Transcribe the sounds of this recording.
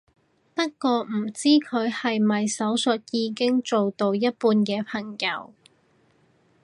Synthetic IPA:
pɐ˥t̚kɔː˧m̩˨˩t͡siː˥kʰɵ˨˧ɥhɐ˨jmɐ˨jsɐ˨˥wsɵ˨t̚jiː˨˧kɪ˥ŋt͡so˨wt̪o˨˧wjɐ˥t̚puː˧nkɛː˧pʰɐ˨˩ŋjɐ̰˨˧w

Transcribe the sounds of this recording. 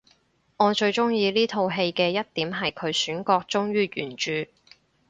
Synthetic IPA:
ŋɔː˨˧t͡ʃɵ˧ɥt͡ʃʊ˥ŋjiː˧liː˥t̪ʰo˧wɦe˧jkɛː˧jɐ˥t̚t̪iː˨˥mɦɐ˨jkʰɵ˨˧ɥsyː˨˥nkɔː˧k̚t͡ʃt͡sʊ˥ŋɥyː˥jyː˨˩nt͡ʃyː˧

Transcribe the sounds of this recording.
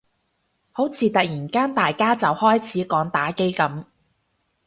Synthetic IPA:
ho˨˥wt͡sʰiː˨˧t̪ɐ˨k̚jiː˨˩nkaː˥nt̪aː˨jkaː˥t͡sɐ˨whɔː˥jt͡sʰiː˨˥kɔː˨˥ŋt̪aː˨˥ke˥jkɐ˨˥m

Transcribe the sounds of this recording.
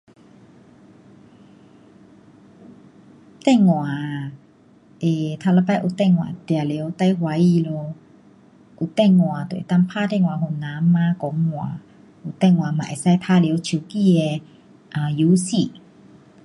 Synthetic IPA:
t̪ɛ˥˧˨ŋŋwa˨˩ | e˨t̪ʰa˧la˧˦pa˦jʔu˨˩t̪ɛ˥˧˨ŋŋwã̰˨t̪ja˨˩lje˨˦wt̪a˧jhwa˧˦i˧˨lo˧ | u˨t̪ɛ˥˧˨ŋŋwã˨˩t̪w̰t̪a˥˧ŋpʰa˥˧˨t̪ɛ˥˧˨ŋwã˨ɦu˨˩˨nã˨˦mã˧˦kɔ˨˦ŋːwã̰˨ | u˨t̪ɛ˥˧˨ŋŋwã˨ma̰˨ʔḛ˨sa˥˧jpʰa˦le˨˦t͡ɕʰu˨˧˩ki˥˧e˧ | a˨˩ju˨˦si˧˨

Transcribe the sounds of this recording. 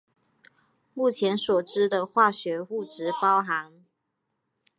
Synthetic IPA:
mu˥˩t͡ɕʰjɛ˨˦nswɔ˨˩ʈ͡ʂɻ̩˥d̪ə˨xwa˥˩ɕɥɛ˨˧˥u˥˩ʈ͡ʂɻ̩˨˥˦pɑ˥˦ʊɦa˨˧˦ŋ

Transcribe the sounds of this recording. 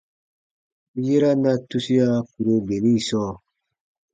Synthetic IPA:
je˦ɾa˦na˦tu˦si˦ja˦ku˨ɾo˧be˨nĩ˦˨sɔː˦˨

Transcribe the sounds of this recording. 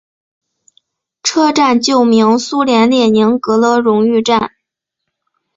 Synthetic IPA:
ʈ͡ʂʰɤ˥ʈ͡ʂa˥˧nt͡ɕjo˥˩ʊmi˧˥ŋsu˥ljɛ˧˥nljɛ˥˩ni˧˥ŋkɤ˧˥lɤ˧˥ɻʊ˧˥ŋy˥˧ʈ͡ʂa˥˩n

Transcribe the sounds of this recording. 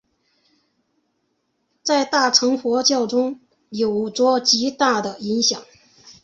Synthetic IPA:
t͡sa˥˧ɪt̪a˥˩ʈ͡ʂʰɤ˧˥ŋxwɔ˧˥t͡ɕjɑ˥˩ʊʈ͡ʂʊ˥ŋ | jo˨˩ʊʈ͡ʂwɔ˥t͡ɕi˧˥t̪a˥˩d̪ə˩i˧˥ŋɕjɑ˨˩˦ŋ

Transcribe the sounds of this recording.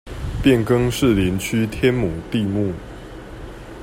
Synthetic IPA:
pjɛ˥˨˩nkɤ˦ŋʂɻ̩˥˨li˨˦nt͡ɕʰy˦t̪ʰjɛ˦nmu˨˩t̪i˥˧mu˥˨

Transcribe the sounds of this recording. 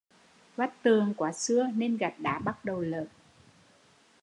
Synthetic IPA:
va˦˥t̚t̪ɨ˨˩əŋkwaː˧˩sɨ˧əne˧nɣa˨˩t̚ɗa̰ː˧˥ɓa˦˥t̚ɗə˨˩wlə̰ː˧˨n

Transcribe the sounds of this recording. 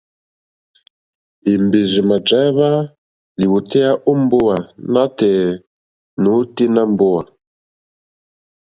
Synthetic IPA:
i˨mbe˨zi˨ma˨d͡ʒɛ˨˦βa˦ | li˨wu˨tɛ˦a˦ʔu˦mbo˦wa˨na˦tɛ˨ | nu˨˦ti˦na˦mbo˦wa˨

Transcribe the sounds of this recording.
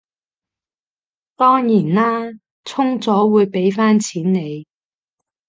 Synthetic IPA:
t̪ɔː˥ŋjiː˨˩nlaː˥ | t͡sʰʊ˥ŋt͡sɔː˨˥wuː˨˧jpe˨˥jfaː˥nt͡sʰiː˨˥nne˨˧j

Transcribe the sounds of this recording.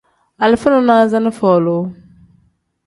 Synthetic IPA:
a˨lɪ˨fʊ˦nʊ˨˦naː˦za˦nɪ˦fɔː˨lo˨˦

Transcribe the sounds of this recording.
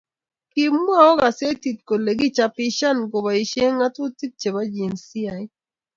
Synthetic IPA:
ki˨mːu˦a˦˨ɔ˦ɡa˨se˦ti˨t̚ko˨le˨ɡi˦t͡ʃa˨pi˦ʃa˦nɡo˨ba˨i˨ʃe˦ŋa˦tʊ˦ti˦t̚t͡ʃe˨ba˦d͡ʒi˨nsi˦a˨j

